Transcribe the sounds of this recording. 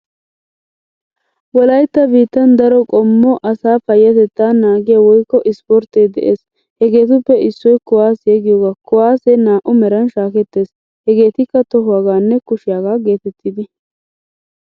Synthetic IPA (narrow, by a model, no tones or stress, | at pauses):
wɔlɐjt̪ːɐbiːt̪ːɐnd̪ɐɾɔkʼɔmːɔʔɐsaːfɐjːɐt̪ɛt̪ːaːnaːɡɪjawɔjkːɔʔɪspɔɾt̪ed̪ɛ̰ʔeːs | hɛɡe̞ːt̪ʊpːɛɪsːɔjkʊwaːsjɛɡɪjoːɡaːkʊwaːsenaːʔʊmɛɾɐnʃaːkɛt̪ːe̞ːs | hɛɡe̞ːt̪ɪkːɐt̪ɔɦʊwaːɡaːnːɛkʊʃɪjaːɡaːɡe̞ːt̪ɛt̪ːɪd̪ɪ